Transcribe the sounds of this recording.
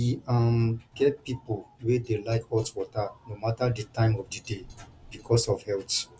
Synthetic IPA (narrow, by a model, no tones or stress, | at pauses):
iamkɛpipowedelaɪkɔtwɔtanomataditãɪ̃mɔfdidebikʰɔsɔfhɛlt